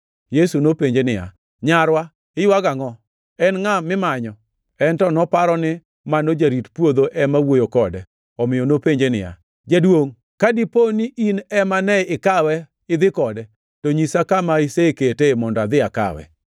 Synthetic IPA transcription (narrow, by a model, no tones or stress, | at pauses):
jesunopeɲd͡ʒenɪja̰ | ɲaɾwa | ɪwaɡaŋɔ | ɛnŋamɪmaɲɔ | ɛntɔnɔpaɾɔnɪ | manod͡ʒaɾitpwod̪oʔɛmawojokɔdɛ | ɔmɪjɔnopeɲd͡ʒenɪ̰ja̰ | d͡ʒadwoŋ | kadiponiʔinɛmanɛɪkawɛ | ɪd̪ɪkɔdɛ | toɲisakamaiseketemɔndɔad̪ɪaka̰wɛ̰